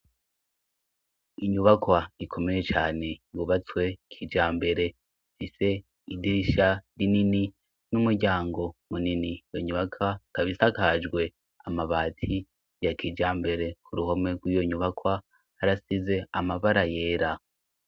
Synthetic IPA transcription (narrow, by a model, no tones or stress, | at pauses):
iɲuβakwaikʰo̞me̞je̞t͡ʃaːne̞juβat͡swe̞kʰiːd͡ʒaːmbe̞ɾe̞ | fise̞ | idiɾiʃaɾinini | numuɾɟaːŋɡo̞muninijoɲuβakʰakaβisakad͡ʒɡwe̞ | amaβaːtʰi | jakʰiːd͡ʒaːmbe̞ɾe̞kʰuɾuɦome̞ɡwiːjo̞ɲuβakwa | haɾasize̞amaβaɾaje̞ːɾa